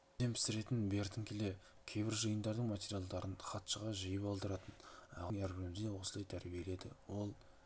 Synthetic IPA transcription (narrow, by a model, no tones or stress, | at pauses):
e̞mpʰɪ̥sɪɾe̞t̪ɪnbe̞ɾt̪ʰɪŋkʲʰele̞ | kʲʰe̞jbɪɾʒəjənd̪ɑɾd̪əɴmat̪ʲe̞ɾʲijalˠd̪ɑɾʔənχɑt̪ʃəʁɑʒijəpɑlˠd̪əɾɑt̪ənɑ̰ʁŋæɾbʲɪɾɪmɪzd̪ewo̞səlˠɑjt̪ʰæɾbije̞le̞d̪ɪwo̞lˠ